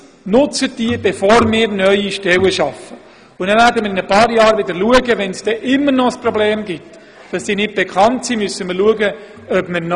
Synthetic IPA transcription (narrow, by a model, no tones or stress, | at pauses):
nʊt͡sətd̥iəb̥efoːɾmɪːɾnœʏiʃtɛwəʃɑfə | ʊnɛvæɾdəmɪɾɪnəpɑːɾjɑːɾʋɪdəɾluəɡəʋɛnsd̥ɛːʔɪmːəɾnɔəsprɔbleːmɡɪt | d̥ɑsd̥iːnɪt̚b̥ɛkʰχɑntsimʏsːəmɪɾluəɡə | œbmən